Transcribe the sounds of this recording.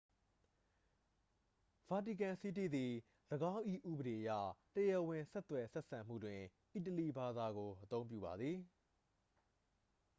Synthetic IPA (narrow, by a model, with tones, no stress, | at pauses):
v̥a˨ti˨kã˨si˦tḭ˦˨d̪i˨ | ləɡã˦ʔḭ˦˨ʔṵ˦˨bəɾe˨ʔəjä̰˦˨təjə˨wɪ̃˨sɛ˦t̪wɛ˨sɛ˦ʔsã˨m̥ṵ˦˨dwɪ̃˨ʔi˦˨t̬əli˨ba˨d̪a˨ɡo˨ʔət̪õ˦ʊ̃mp̬jṵ˦˨ba˨d̪ði˨